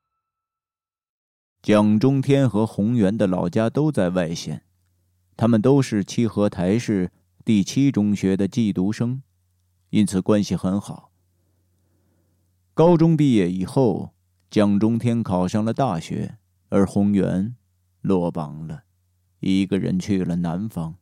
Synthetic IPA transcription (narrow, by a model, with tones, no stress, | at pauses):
t͡ɕjɑ˥ŋʈ͡ʂʊ˥ŋt̪ʰjɛ˥nxɤ˧˥xʊ˧˥ŋjɥɛ˧˥nd̪ə˨lɑ̰˨˩ʊt͡ɕja˥t̪o˥ʊt͡sa˥˧ɪwa˥˧ɪɕjɛ̰˥˩n | t̪ʰa˥mə˨nt̪o˥ʊʂɻ̩˥˩t͡ɕʰi˥˩xɤ˧˥t̪ʰa˧˥ɪʂɻ̩˥˧ | t̪i˥˩t͡ɕʰi˥ʈ͡ʂʊ˥ŋɕɥɛ˧˥d̪ə˨t͡ɕi˥˩t̪u˧˥ʂɤ˥ŋ | i˥nt͡sʰɹ̩˨˩kwa˥nɕi˨˩xə˧˥nxɑ˨˩˦ʊ | kɑ˥ʊʈ͡ʂʊ˥ŋpi˥˧jɛ˥˩i˨˩xo˥˩ʊ | t͡ɕjɑ˥ŋʈ͡ʂʊ˥ŋt̪ʰjɛ˥nkʰɑ˨˩ʊʂɑ˥˩ŋlə˩t̪a˥˩ɕɥɛ̰˧˥ | ə˞˧˥xʊ˧˥ŋjɥɛ̰˧˥n | lwɔ˥˩pɑ̰˨˩ŋlə˨ | i˧˥˩ɡə˧ɻə̰˧˥nt͡ɕʰɥɛ˥˩jo˨˩lə˧na˧˥nfɑ˥ŋ